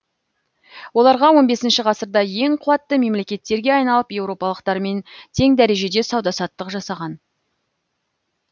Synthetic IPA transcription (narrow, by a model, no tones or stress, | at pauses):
wo̞lˠɑɾʁɑwo̞nbe̞sɪnʃɪʁɑsəɾd̪ɑje̞ŋqʰʊwɑt̪ːəme̞mle̞kʲe̞t̪ːe̞ɾɡʲe̞ɑjnɑlˠəpje̞wɾo̞pɑlˠəqt̪ɑɾme̞nt̪ʰe̞ŋd̪æɾe̞ʒe̞d̪e̞sɑwd̪ɑsɑt̪ːəqʒɑsɑʁɑn